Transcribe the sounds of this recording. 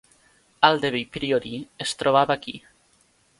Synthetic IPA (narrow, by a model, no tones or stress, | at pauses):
ald̪eβejpɾioɾiest̪ɾoβ̞aβaki